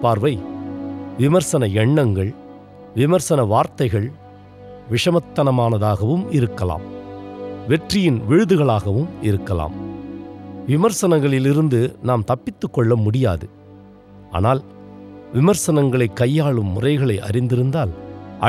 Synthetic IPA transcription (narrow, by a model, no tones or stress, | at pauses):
paːɾʋɐɪ | ʋɪmɐɾsɐnɐɛɳːɐŋɡɐɭ | ʋɪmɐɾsɐnɐʋaːɾt̪ɐɪɣɐɭ | ʋɪʂɐmɐt̪ːɐnɐmaːnɐðaːɣɐʋɯmɪɾɯkːɐla̰ːm | ʋɛʈrɪjɪnʋɪɻɯðɯɣɐɭaːɣɐʋɯmɪɾɯkːɐla̰ːm | ʋɪmɐɾsɐnɐŋɡɐɭɪlɪɾɯnd̪ɯnaːmt̪ɐpːɪt̪ːɯkːɔɭːɐmʊɽɪja̰ːðɯ | a̰ːnaːl | ʋɪmɐɾsɐnɐŋɡɐɭɐɪkːɐjːaːɭɯmːʊrɐɪɣɐɭɐɪʔɐ̰ɾɪnd̪ɪɾɯnd̪aːlʔɐ